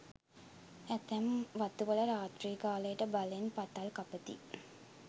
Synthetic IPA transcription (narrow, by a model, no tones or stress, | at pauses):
æt̪æmʋat̪uʋələɾaːt̪riːkaːləjəʈəbalenpat̪alkapət̪ḭ